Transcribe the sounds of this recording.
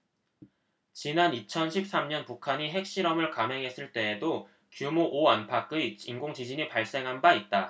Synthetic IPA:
t͡ɕinanit͡ɕʰʌnɕʰip̚s͈amɲʌnpukʰaɲiɦe̞k̚ɕ͈iɾʌmɯɭkamɦe̞ŋɦe̞s͈ɯɭt͈e̞ːdo | kjumoʔoanpʰak͈ɯinɡoŋd͡ʑid͡ʑiɲipaɭs͈e̞ŋɦanbait̚t͈a

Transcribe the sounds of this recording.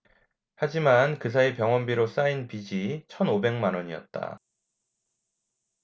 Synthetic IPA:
had͡ʑimankɯs̬ʰaepjʌŋwʌnbiɾos͈ainpid͡ʑit͡ɕʰʌnobe̞ŋmanwʌɲiʌt̚t͈a̰

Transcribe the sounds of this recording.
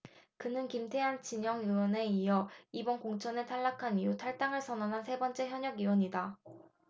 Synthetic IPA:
kɯnɯnkimtʰe̞ɦant͡ɕiɲʌŋɯwʌne̞ijʌibʌnkoŋt͡ɕʰʌnetʰaɭːakʰanijutʰaɭt͈aŋɯɭs͈ʰʌnʌnɦansʰe̞bʌnt͡ɕ͈e̞çjʌɲʌɡiwʌɲida

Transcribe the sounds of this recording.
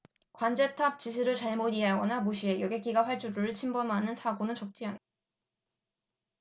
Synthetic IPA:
kwand͡ʑe̞tʰap̚t͡ɕis̬ʰɯɾɯɭt͡ɕaɭmodiɦaɡʌnamuɕʰie̞jɡek͈iɡaɸwaɭt͡ɕ͈uɾuɾɯɭt͡ɕʰimbʌmanɯnsʰaɡonɯnt͡ɕʌk̚t͡ɕ͈iɦan

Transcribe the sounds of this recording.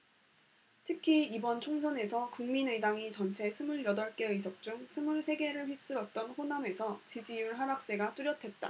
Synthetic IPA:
tʰɯkʰiibʌnt͡ɕʰoŋsʰʌne̞sʰʌkuŋminɯdaŋit͡ɕʌnt͡ɕʰe̞sʰɯmuɭjʌdʌɭk͈e̞ɯis̬ʰʌk̚t͡ɕ͈uŋsʰɯmuɭsʰe̞ɡe̞ɾɯɭɸɥip̚s͈ɯɾʌt̚t͈ʌnɸoname̞sʰʌt͡ɕid͡ʑijuɭɦabak̚s͈e̞ɡat͈uɾjʌtʰe̞t̚t͈a̰

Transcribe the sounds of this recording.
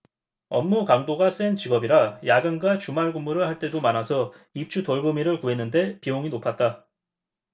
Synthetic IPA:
ʌmːukamdoɡas͈ent͡ɕiɡʌbiɾajaɡɯnɡwat͡ɕumaɭɡumːuɾɯɭhaɭt͈e̞domanasʰʌ | ip̚t͡ɕ͈ʰutoɭɡɯmiɾɯɭkuɦe̞nːɯnde̞pioŋinopʰat̚t͈a

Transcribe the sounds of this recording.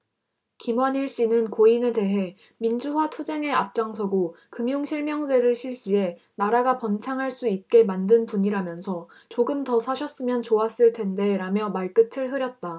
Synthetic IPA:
kimwʌɲiɭɕ͈inɯnkoine̞te̞ɦe̞ | mind͡ʑuɦwatʰud͡ʑe̞ŋe̞ap̚t͡ɕ͈aŋs̬ʰʌɡo | kɯmjuŋɕʰiɭmjʌŋsʰe̞ɾɯɭɕʰiɭɕ͈ie̞ | naɾaɡapʌnt͡ɕʰaŋɦaɭs͈uit̚k͈e̞mandɯnpuɲiɾamjʌnsʰʌ | t͡ɕoɡɯmtʌsʰaɕʰʌs͈ɯmjʌnt͡ɕoas͈ɯɭtʰe̞nde̞ɾamjʌmaɭk͈ɯtʰɯɭɦɯɾjʌt̚t͈a

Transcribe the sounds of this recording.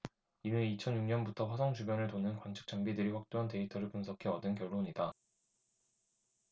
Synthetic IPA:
inɯɾit͡ɕʰʌnjuŋɲʌnbutʰʌɸwasʰʌŋt͡ɕubjʌnɯɭtonɯnkwant͡ɕʰɯ̥k̚t͡ɕ͈aŋbidɯɾiɸwak̚t͈oɦante̞itʰʌɾɯɭpunsʰʌkʰe̞ʌdɯnkjʌɭːoɲida

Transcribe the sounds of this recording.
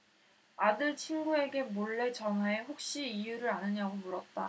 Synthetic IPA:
adɯɭt͡ɕʰinɡue̞ɡe̞moɭːe̞t͡ɕʌŋɦaeɸok̚ɕ͈iijuɾɯɾanɯɲaɡomuɾʌt̚t͈a

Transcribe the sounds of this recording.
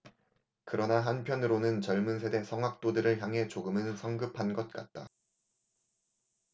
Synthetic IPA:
kɯɾʌnaɦanpʰjʌnɯɾonɯnt͡ɕʌɭmunsʰe̞de̞sʰʌŋɦak̚t͈odɯɾɯɭçjaŋɦe̞t͡ɕoɡɯmɯnsʰʌŋɡɯpʰanɡʌt̚k͈at̚t͈a

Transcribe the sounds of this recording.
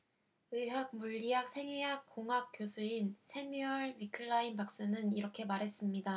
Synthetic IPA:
ɯɦak̚muʎːiɦak̚sʰe̞ŋiɦak̚k͈ːoŋɦak̚k͈josʰuinsʰe̞miʌɭɥikʰɯɭːainpak̚s͈ɯnɯniɾʌkʰe̞maɾɦe̞s͈ɯmɲida

